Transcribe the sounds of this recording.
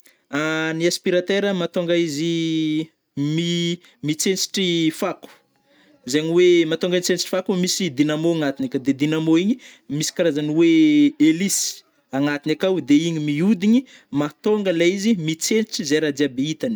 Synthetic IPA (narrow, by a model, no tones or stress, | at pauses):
aniaspiɾat̪eɾəmat̪oŋɡaizi | mi | mit͡sent͡si̥ʈ͡ʂifaku̥ | zaɲiwemat̪oŋɡainit͡sent͡siʈ͡ʂi̥fakumisid̪inamoaŋat̪inakad̪ed̪inamoiɲimisi̥kaɾazaniweelisi̥ | aŋat̪inakawd̪eiɲimiud̪iɲi | mat̪oŋɡəlaizimit͡sent͡siʈ͡ʂizeɾad̪iabeit̪ani̥